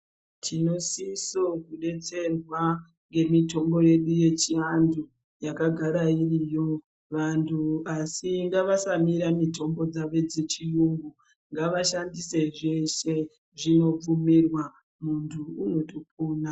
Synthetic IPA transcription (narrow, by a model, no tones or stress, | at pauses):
tʰino̞sisokuɗe̞t͡se̞rwa | ŋɡe̞mito̞mbo̞je̞ɗuje̞t͡ʃiandu | jakaɡʱaɾairijo̞ | ʋantʰuasiŋɡaʋasamiɾamito̞mbo̞d͡zaʋe̞d͡zet͡ʃijuŋɡu | ŋɡaʋaʃandise̞ʐeʃe | ʐino̞p͡fumirwa | muntʰuːno̞top̚uːna